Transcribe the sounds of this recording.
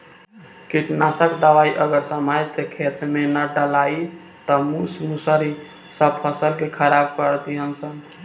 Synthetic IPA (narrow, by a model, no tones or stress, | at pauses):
kiʈnasəkd̪əʋaiʔəɡəɾsəmajsekʰet̪menəɖəlai | t̪əmusmusəɾi | səb̚pʰəsəlkekʰəɾabkəɾt̪iɦənsən